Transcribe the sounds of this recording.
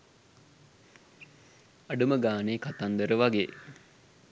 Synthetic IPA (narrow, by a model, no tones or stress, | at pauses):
aɖuməɡaːneːkat̪and̪əɾəʋaɡeː